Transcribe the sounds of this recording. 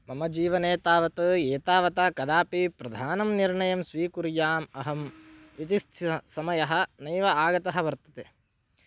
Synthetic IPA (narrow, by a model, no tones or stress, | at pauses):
mɐmɐd͡ʒiːʋɐneːt̪aːʋɐt̪ɐeːt̪aːʋɐt̪aːkɐd̪aːpipɾɐd̪ʱaːnɐmniɾɳɐjɐmsʋiːkuɾjaːmɐɦɐm | it̪ist̪ʰsɐmɐjɐɦɐ̆nɐjʋɐaːɡɐt̪ɐɦɐʋɐɾt̪ɐt̪e